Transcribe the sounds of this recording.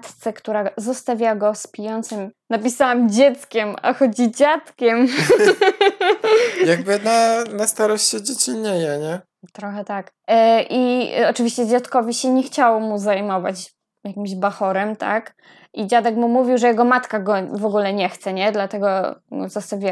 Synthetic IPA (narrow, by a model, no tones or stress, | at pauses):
t̪t̪sɛkt̪uɾazɔst̪avʲjaɡɔspʲijɔnt̪sɘmnapʲisawamd͡ʑɛt̪skʲɛma̰xɔd͡ʑid͡ʑat̪kʲɛm | jaɡ̚bɘnanast̪aɾɔɕt͡ɕɛd͡ʑet͡ɕiɲːejɛɲɛ | t̪ɾɔxɛt̪ak | ʔḭɔt͡ʂɘvʲiɕt͡ɕɛd͡ʑat̪kɔvʲiɕɛɲɛxt͡ɕawɔmuzajmɔva̰t͡ɕ | jakʲimʑbaxɔɾɛmt̪a̰k | ʔid͡ʑad̪ɛkmumuvʲiwʐɛjɛɡɔmat̪kaɡɔvɔɡulɛɲɛxt̪sɛɲɛd̪lat̪ɛɡɔzɔst̪avʲi